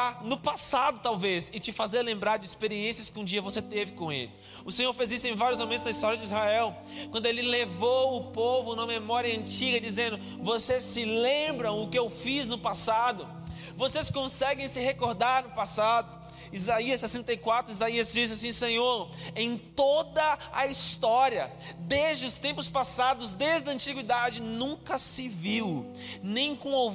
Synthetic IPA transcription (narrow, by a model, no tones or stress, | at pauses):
nʊpasad̪ʊt̪awvezɪt͡ʃɪfazeɾlẽmbɾaɾd͡ʒɪispeɾiẽsiɐskɪũd͡ʒiɐvoset̪evɪkõḛlɪ | ʊsẽɲoɾfezisʊẽj̃vaɾjʊzmomẽt̪ʊznɐist̪ɔɾjɐd͡ʒɪizhaɛw | kwɐ̃nd̪ʊelɪlevowʊpovʊnũmɐmemɔɾiɐɐ̃t͡ʃiɡɐd͡ʒizẽnd̪ʊ | vosessɪlẽbɾɐ̃w̃ʊkɪewfiznʊpasad̪ʊ | voseskõsɛɡẽj̃sɪɦekoɾd̪aɾnʊpasad̪ʊ | izaiɐsːɛsẽnt̪ɐjkwat̪ɾʊizaiɐzd͡ʒizasĩsẽɲoɾẽj̃t̪od̪ɐɐist̪ɔɾiɐd̪ezd͡ʒɪʊst̪ẽmpʊspasad̪ʊzd̪eʒɪd̪ɐ̃nt͡ʃiɡwid̪ad͡ʒɪnũŋkɐsɪviw | nẽj̃kõo